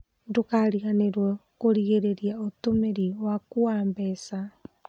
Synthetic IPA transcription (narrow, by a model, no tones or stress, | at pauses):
dukaɾianeɾuokoɾiɡeɾeɾiaot̪umeɾiwakuambesa